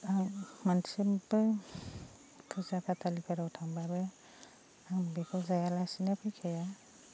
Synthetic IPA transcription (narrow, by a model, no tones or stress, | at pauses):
aŋmansimbɯ | kʰɯzakʰatalipʰaɾawtʰaŋbabɯ | aŋbekʰɔzajalasinepʰɯjkʰeja